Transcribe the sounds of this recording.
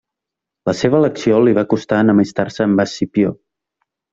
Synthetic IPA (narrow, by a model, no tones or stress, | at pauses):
ləseβəːləksioliβ̞akust̪aənəməst̪arsəːmbasipjo